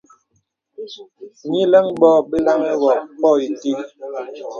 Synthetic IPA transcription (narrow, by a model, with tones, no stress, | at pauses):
ɲi˦lɛ˦ŋɓɔ˦˨ɓe˦la˦ŋe˦wɔ˨pɔ˦˨i˨ti˦